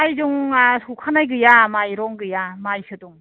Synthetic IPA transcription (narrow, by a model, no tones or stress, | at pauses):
ajzuŋasukʰanajɡɯjamajɾɔŋɡɯjamajsɯdɔŋ